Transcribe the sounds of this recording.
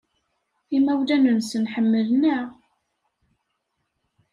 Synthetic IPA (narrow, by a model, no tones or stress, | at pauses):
imæwlænənsənħəmːəlnæ